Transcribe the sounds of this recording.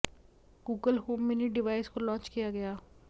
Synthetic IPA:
ɡuːɡəlɦoːmːeniɖɪʋaːɪskolɔ̃ːnt͡ʃkijaɡɐjaː

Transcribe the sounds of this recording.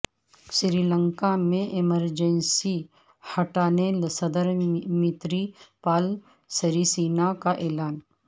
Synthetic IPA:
ʃɪɾilə̃ŋkamẽʔɪməɾd͡ʒənsi | hɐʈaːnelsɐd̪əɾmɪt̪ɾipaːl | sɐɾisiːnakaʔeːlaːn

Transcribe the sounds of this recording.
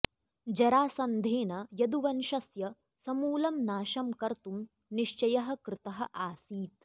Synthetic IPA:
d͡ʒɐɾaːsɐnd̪ʱeːnɐjɐd̪uʋɐnʃɐsjɐ | sɐmuːlɐmnaːʃɐmkɐɾt̪um | niʃt͡ʃɐjɐɦɐ̆kɾɪt̪ɐɦɐ̰̆ʔaːsiːt̪̚

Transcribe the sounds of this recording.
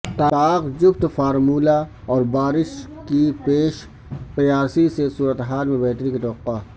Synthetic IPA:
t̪aaːqd͡ʒʊbt̪faːɾmuːla | ɔːɾbaːɾɪʃkipeːʃ | pjaːsisesuːɾət̪eɦaːlmẽbɛɦt̪əɾikit̪ɐəqːa

